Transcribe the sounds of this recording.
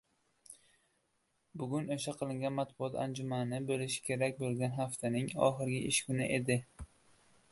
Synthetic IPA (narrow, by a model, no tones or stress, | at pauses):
bʊɡʲʊnoʃaqʰɨlˠɪŋɡʲanmat̪̚bʊɒt̪ʰand͡ʒʊmanɪbolɪʃɪ̥kʲʰe̞ɾakʲbolˠɡʲanɦaft̪ʰanɪŋɒ̰χɨɾɡʲɪʔɪʃkʊnɪʔe̞d̪ɪ